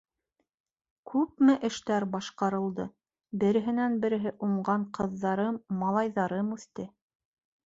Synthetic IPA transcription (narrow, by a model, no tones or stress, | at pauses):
kʰʉpmɘʔɘ̆ʃt̪æɾbɑʃqɑɾɤ̆lˠd̪ɤ | bɘ̆ɾɘ̆ɦɘ̆nænbɘ̆ɾɘ̆ɦɘʔuɴɢɑɴqɤ̆ðːɑɾɤmːɑlˠɑjðɑɾɤmʉθt̪ɘ